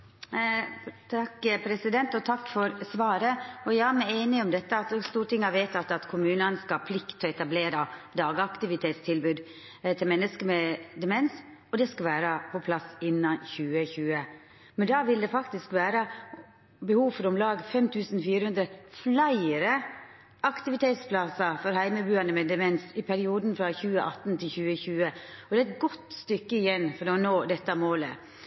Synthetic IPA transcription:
t̪ʰɑkːpʰɾɛsɪd̪ɛnt̪ɔt̪ʰɑkːfɔɾsʋɑːɾəɔjæɪæmæɪeɪnɪɔmd̪ɛt̪ːəɑt̪st̪uːʈʰɪŋːɑʋeɪt̪ɑt̪ːɑt̪kʰʊmʉːnənskɑɑːpʰlɪkt̪ʰːɔɛt̪ɑbleːɾɑd̪ɑːɡɑkt̪ɪʋɪt̪ʰeːt̪st̪ʰɪlbʉːd̪ | t̪ʰɪlmɛnːəskəmɛd̪ɛmɛns | ɔd̪ɛskɑʋæːɾɑpʰɔpʰlɑsɪnːɑçʉːəçʉːə | mɛnd̪ɑːʋɪld̪ɛfɑkt̪ɪskʋæːɾə | bəhuːfɔɾɔmlɑːɡfɛmt̪ʰʉːsn̩fiːɾəhʉnd̪ɾəflæɪəɾə | ʔɑkt̪ɪʋɪt̪ʰeːt̪spʰlɑsɑfɔɾhæɪməbʉːɑnəmɛd̪ɛmɛnsɪpʰæɾɪuːd̪n̩fɾɑçʉːəʔɑt̪ːn̩t̪ʰɪlçʉːəçʉːəɔd̪ɛæɪt̪ɡɔt̪ːst̪ʏkːəɪjɛnfɔɾd̪eːɔnoːd̪ɛt̪ːəmoːlə̰

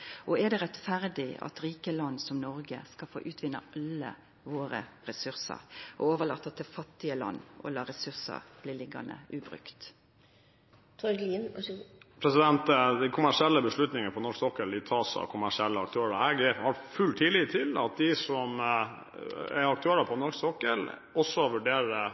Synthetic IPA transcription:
ʔɔɛɖ̪ɛʁɛt̪fæɾd̪ɪɑ̰t̪ɾiːkəlɑnːsɔmnɔɾɡə̰skɑlfo̰ːʔʉːt̪ʰʋɪnːəɑlːə̰ | ʋoːɾə̰ɾɛsʉɾsə̰ɾʔɔ̰oːʋəɭɑt̪ːɑt̪̚d̪ɛfɑt̪ːɪəlɑ̰nːɔ̰lɑːɾɛsʉʁsə̰ɾb̥liːlɪɡɑ̰nə̰ʔʉːbɾʉ̰kt̪ | t̪ʰɔɡ̪ | pʰɾɛsɪd̪ɛnt̪d̪æɪkʰʊmæʂɪɛlːəbəslʉt̪nɪŋəəpʰɔnɔʂksɔkːəɪt̪ʰɑːsɑ̰kʰʊmæʂɪɛlːəɑk̚t̪ʰøːɾəæɡəhɑɾfʉlt̪ʰːiːliːt̪ʰːɪlɑ̰t̪̚d̪ɪsɔm | ɛ̰ɾɑk̚t̪ʰʉɛɾəpʰɔnɔɾksɔkːəl | ɔsːɔʋʉɖeːɾə

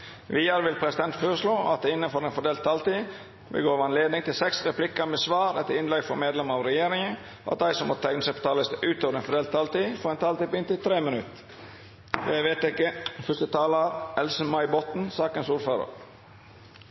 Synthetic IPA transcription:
ʋiːəɾʋɪlpʰɾɛsɪd̪ɛnt̪føːɾəʂloːɑ̰t̪̚ɪnːənfɔɾɛnfɔɖ̪eːlt̪ʰːɑlt̪iː | ʋɪ̰lɡoːɾʋɑnleːd̪nɪŋt̪ʰɪlsɛksɾɛpʰlɪkəɾmeːsʋɑːɾɛt̪ːəɪnlɛɡfɔɾmeːd̪lɛməɑʋɾɛjeːɾɪŋən | ʔɑ̰t̪̚d̪æɪsɔmɔt̪t̪ʰæŋnəsɛɪpɔ̥t̪ʰɑːləst̪ʔʉːt̪oːʋəɾɛnfɔɖ̪eːlt̪ʰːɑlt̪iːfɔɾɛnt̪ʰɑːlt̪iːbʏnt̪ɪt̪ʰɾeːmənʉt̪ | jæɪʋeːt̪ɪkːəfœst̪ət̪ʰɑːləɾɛlsəmɑɪbɔt̪n̩sɑːkənsuːɾføːɾə̰ɾ

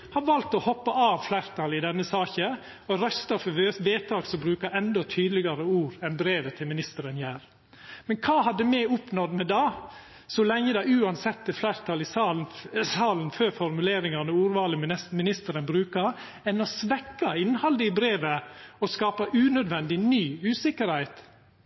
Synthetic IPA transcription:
hɑʋɑlt̪ɔhɔpːɑɑːʋflæɪɾt̪ʰɑlɪd̪ɛnːəsɑːçə | ɔɾœst̪ɑfʋeːt̪ʰɑːɡsɔbɾʉːkɑɾɛnd̪ɔt̪ʰyːd̪lɪɡɑɾəuːɾɛnbɾeːʋət̪ʰɪlmɪnɪst̪əɾənjæːɾ | mɛnkʰɑːhɑd̪ːəmɛʊpnɔd̪mɛd̪ɑː | sɔlɛŋːəd̪ɛɪʉːɑnsɛt̪ːəflæɾt̪ʰɑlɪ | sɑːlnføːɾfɔɾmʉleːɾɪŋɑnəuːɾʋɑːləmɛsmɪnɪst̪əɾənbɾʉːkɑ | ɛnɔsʋɛkːɑɪnhɑld̪əəbɾeːʋəɔskɑːpɑʔʉːnœd̪ʋɛnd̪ɪnyːʉːsɪkːəɾhæɪt̪

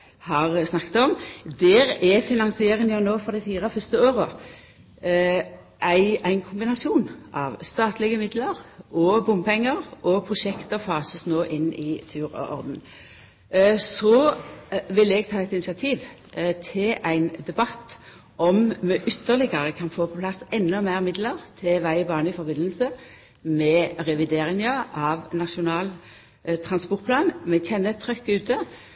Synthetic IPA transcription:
hɑʁsnɑkːt̪ɔmd̪ɛːɾɛfɪnɑŋsɪeːɾənəjnoːfɔʁd̪ɛɪfiːʁəfœst̪əoːʁə | ʔæɪæɪnkʰʊmbɪnɑsɪuːnʔɑ̰ʋst̪ɑːt̪lɪɡəmɪd̪ləɾɔbʊmpʰɛŋːəɾʔɔpʰʁʊʃɛkt̪əfɑːsəsnoːʔɪnːɪt̪ʰʉːɾɔ̰ʔɔ̰ɾd̪n̩ | sɔ | ʋɪlːɛɡ̚t̪ʰɑːɛt̪ɪnɪsɑt̪ʰiːʋ | t̪ʰɪlʔæɪnd̪ɛbɑt̪ː | ʔɔmmɛʔʏt̪ːəʁlɪɡəʁəkʰɑnfoːpʰɔpʰlɑsɛnːʊmæɪʁmɪd̪ləʁt̪ʰɪʋæɪəbɑːnəɪfɔʁbɪnːəlsə | mɛʁɛʋɪd̪eːʁɪŋəɑʋnɑʃʊnɑːl | t̪ʰʁɑnspɔʁt̪̚pʰlɑːnmɛçɛnːət̪ʰɾœkːʉːt̪ʰə

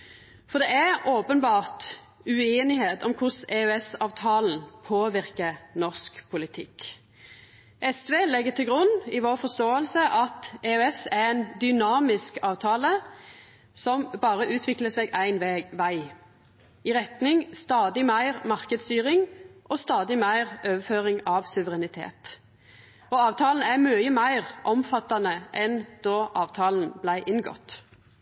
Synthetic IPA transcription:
fɔʁd̪ɛæoːpənbɑːʁt̪ | ʉeːnɪheːt̪ɔmkʰʊseːøɛsɑːʋt̪ʰɑːln̩pʰoːʋɪʁkənɔʁskpʰʊlɪt̪ʰɪk | ʔɛsʋeːlɛɡːət̪ʰɪlɡʁʉnːɪʋɔːʁfɔst̪oːəlsəʔɑt̪eːøɛsæɾæɪnd̪ʏnɑːmɪskɑːʋt̪ʰɑːlə | sɔmbɑːʁəʔʉːt̪ʰʋɪkləsɛɡæɪnʋeːʋæɪ | ɪʁɛt̪nɪŋst̪ɑːd̪ɪmæɪʁmɑʁkəd̪st̪yːʁɪŋʔɔst̪ɑːd̪ɪmæɪʁʔøːʋəføːʁɪŋɑʋsʉʋəʁɛnɪt̪ʰḛːt̪ | ɔɑːʋt̪ʰɑːln̩æɾmyːəmæɪʁʔɔmfɑt̪ːɑnəʔɛnd̪̥ɔʔɑːʋt̪ʰɑːln̩blæɪʔɪnɡɔ̰t̪

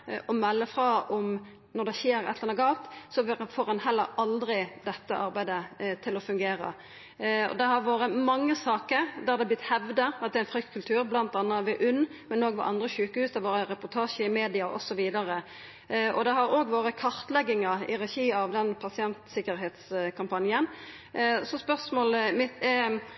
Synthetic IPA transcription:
ɔmɛlːəfɾɑɔm | nɔʁd̪ɛçeːɾɛ̰t̪ləʁɛnɔɡɑːlt̪sɔfoːɾɛnhɛlːəɾɑld̪ɾɪd̪ɛt̪ːəʔɑɾbæɪd̪ət̪ʰɪlɔfʉŋɡeːɾə̰ | ɔ̰d̪ɛɦɑɾʋoːɾəmɑŋːəsɑːkəɾd̪æɾd̪ɛblɪt̪ːhɛʋd̪əɑt̪̚d̪ɛænfɾʏkt̪kʰʉlt̪ʰʉːɾblɑnt̪ɑnːɑʋɛʔʉnːmɛnoːɡʋɑ̰ʔɑnd̪ɾəçʉːkːəhʉːsd̪ɛʋoːɾəɾɛpɔɾt̪ʰɑːʃəɪmeːd̪ɪɑʔɔ̰sɔʋiːd̪ɑɾə | ʔɔ̰d̪ɛɦɑɾoːɡʋoːɾəkʰɑɾt̪lɛɡːɪŋɑɪɾɛʃiːɑʋd̪ɛnpʰɑsɪɛnt̪sɪkːəɾɦɛːt̪skʰɑmpɑnjən | sɔspœʁsmoːlmɪt̪

